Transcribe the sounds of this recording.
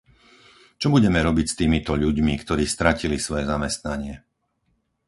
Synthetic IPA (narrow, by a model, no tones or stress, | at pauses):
t͡ʃɔbuɟɛmɛɾɔbicst̪iːmit̪ɔʎuɟmikt̪ɔɾiːst̪ɾacilisʋɔjɛzamɛst̪naɲɪɛ